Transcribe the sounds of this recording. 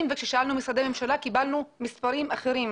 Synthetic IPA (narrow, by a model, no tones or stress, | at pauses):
mvekʃeʃaʔalnumisɾad̪ememʃalakibalnumispaʁimaχeɾim